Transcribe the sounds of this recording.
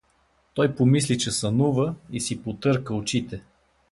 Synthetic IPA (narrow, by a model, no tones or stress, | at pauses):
t̪ɔjpomislit͡ʃɛsɐnuvəisipot̪ɤɾkəot͡ʃit̪ɛ